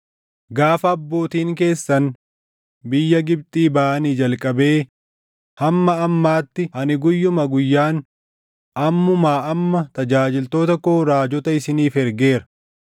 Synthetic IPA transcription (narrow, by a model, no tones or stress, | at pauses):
ɡaːfɐːbːo̞ːt̪iːŋke̞ːsːɐn | bɪjːɐɡɪb̚t̪ʼiːbaːɐniːd͡ʒɐlkʼɐbe̞ː | hɐmːɐɐmːaːt̪ːɪhɐnɪɡʊjːʊmɐɡʊjːaːn | ʔɐmːʊmaːʔɐmːɐt̪ɐd͡ʒaːd͡ʒɪlt̪o̞ːt̪ɐkoːɾaːd͡ʒɔt̪ɐɪsɪniːfɛɾɡe̞ːɾɐ̥